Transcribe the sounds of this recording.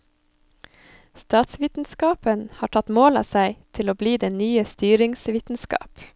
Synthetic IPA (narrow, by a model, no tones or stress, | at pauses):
st̪ɑːt̪sʋiːt̪n̩skɑːpənhɑːʈʰɑt̪moːlɑ̰ːsæɪt̪ʰɪloːbliːd̪eːnyːəst̪yːɾɪŋsʋiːt̪n̩skɑ̰ːp